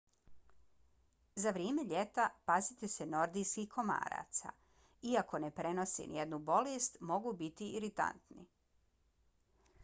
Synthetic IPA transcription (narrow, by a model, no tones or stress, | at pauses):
zaʋɾjeːme̞ʎe̞t̪apazit̪ese̞no̞ɾd̪ijskiko̞ma̰ːɾa̰ːt̪sa̰ | iako̞ne̞pɾe̞no̞sḭnijed̪nubo̞lest̪mo̞ɡubit̪iiɾit̪a̰nt̪nḭ